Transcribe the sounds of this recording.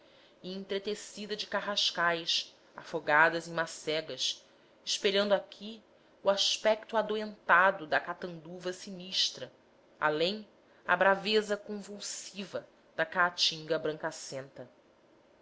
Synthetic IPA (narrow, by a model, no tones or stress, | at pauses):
ɪẽnt̪ɾet̪esid̪ɐd͡ʒɪkaɦaʃkajs | a̰foɡad̪ɐzẽj̃masɛɡɐs | ɪʃpeʎɐ̃nd̪ʊakʲʰi | uaʃpɛk̚t̪ʊad̪oẽnt̪ad̪ʊd̪ɐkat̪ɐ̃nd̪uvɐsiniʃt̪ɾɐ | a̰lẽj̃ | ɐ̰bɾavezɐkõvuwsivɐ | d̪̥ɐkaːt͡ʃĩŋɡɐbɾɐ̃ŋkasẽnt̪ɐ